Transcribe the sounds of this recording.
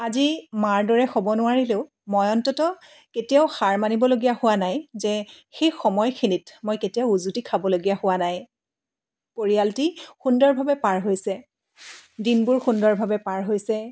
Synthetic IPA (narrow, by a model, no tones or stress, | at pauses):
azimaɹdɔɹɛxɔbɔnʊwaɹileʊ | mɔjɔntɔtɔ | ketijaʊxaɹmanibɔloɡijahʊwanajzɛxejxɔmɔjkʰinitmojketijaʊuzutikʰabɔloɡijahʊwanaj | poɹijaltixundɔɹbʱabɛpaɹɦojsɛ | dinbʊɹxundɔɹbʱabɛpaɹɦojsɛ